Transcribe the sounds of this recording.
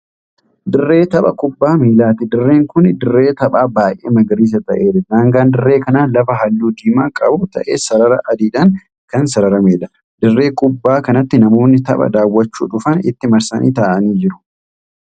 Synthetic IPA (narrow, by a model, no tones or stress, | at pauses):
d̪ɪrːe̞ːt̪ɐɓɐkʼʊbːaːmiːlaːt̪ɪd̪ɪrːeːŋkʊnd̪ɪrːe̞ːt̪ɐɓaːbaːjʔeːmɐɡɪɾiːs̬ɐt̪ɐʔe̞ːᶑɐnaːŋɡaːnd̪ɪrːeːkɐnaːnlɐfɐɦɐlːuːd̪iːmaːkʼɐbʊt̪ɐ̰ʔḛːsɐɾɐɾɐʔɐd̪iːᶑɐn | kɐnsɐɾɐɾɐmeːᶑɐ | d̪̥ɪrːe̞ːkʼʊbːaːkɐnɐt̪ːɪnɐmo̞ːnːɪt̪ɐɓɐ̰d̪aːwːɐt͡ʃːṵːᶑʊfɐnɪ̰t̪ːɪmɐɾsɐnʔḭːt̪aːʔɐniːd͡ʒɪɾʊ̥